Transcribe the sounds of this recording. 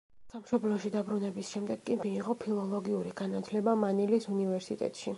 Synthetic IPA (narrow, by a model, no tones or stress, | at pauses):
samʃɔblɔʃid̪abɾunɛbisʃɛmd̪ɛɡkʼimiːʁɔpʰilˠɔlˠɔɡiuɾiɡanat̪ʰlɛbamanilisunivɛɾsit̪ʼɛ̰t̪ʼʃi